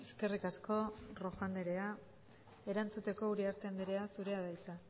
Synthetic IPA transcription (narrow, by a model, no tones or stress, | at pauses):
eske̞rikasko̞ro̞fand̪eɾe̞a | e̞ɾant͡sut̪e̞ko̞uɾiaɾt̪end̪eɾe̞asuɾe̞aðajt͡s̪a